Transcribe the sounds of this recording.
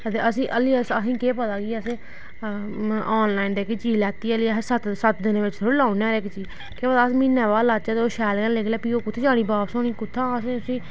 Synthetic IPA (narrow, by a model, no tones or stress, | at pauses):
ət̪eːʔəsĩːʔəliːəsəsĩːkeːpət̪aːɡiːəseː | aːnlaːind̪eːkt͡ʃiːlɛːt̪iːəlĩːsət̪sət̪d̪ɪnʋɪt͡ʃtʰʊlãːnɛ̃ːɾekt͡ʃiː | keːpət̪aːs̬emiːnɛ̃ːʋaːlaːt͡ʃaːt̪ːoːʃɛːlɡənleːɡlɛːpiːoːkʊt̪ʰːeːd͡ʒãːɽ̃iːbaːpsõːniːkʊt̪ʰːãːsẽːəsĩː